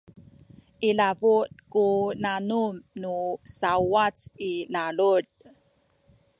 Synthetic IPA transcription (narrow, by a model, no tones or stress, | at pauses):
ʔilavut̚kunanumnusawat͡silaɭud̥